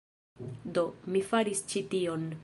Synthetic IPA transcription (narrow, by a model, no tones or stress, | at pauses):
do̞mifaɾist͡ʃitio̞n